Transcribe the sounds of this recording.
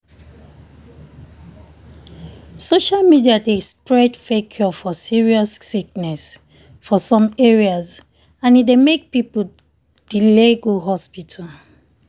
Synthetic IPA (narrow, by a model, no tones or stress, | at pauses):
soʃalmidiadespɹɛdfekʰjɔfɔsiɹiɔsːiknɛs | fɔsɔ̃meɹiaz | ãnidemek̚pipu | d̥ileɡoɦɔspitʰal